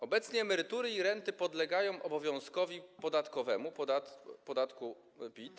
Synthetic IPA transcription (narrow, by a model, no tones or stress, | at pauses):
ɔbɛt̪sɲɛːmɛɾɘt̪uɾɘiɾɛnt̪ɘpɔd̪lɛɡajɔ̃w̃ʔɔbɔvʲjɔ̃w̃skɔvʲipɔd̪at̪kɔvɛmup̪at̪pɔd̪at̪ku | pʲit̪